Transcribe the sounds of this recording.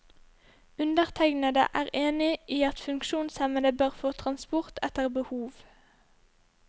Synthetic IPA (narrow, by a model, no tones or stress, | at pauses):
ʉnd̪əʁt̪ʰɛɡnɑd̪ə̰ʔæːʁeːnɪʔiːɑt̪fʉŋkʃuːnsɛmənəbøːʁfoːt̪ʰʁɑnspʊʁt̪ʰɛt̪əʁbəhuːʋ